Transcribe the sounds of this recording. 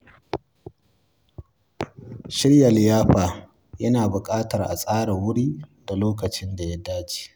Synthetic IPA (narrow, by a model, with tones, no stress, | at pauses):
ʃɪ˦ɽja˨lɪ˨jaː˦ɸaː˨ | jɐ˦naː˨bʊ˨kʼaː˦tɐ˨rʔa̰˨sʼaː˦ɽa˨wʊ˦ɽiː˦da˨loː˦kɐ˨t͡ʃɪ˦nda˨ja˦daː˦t͡ʃi̥ː˨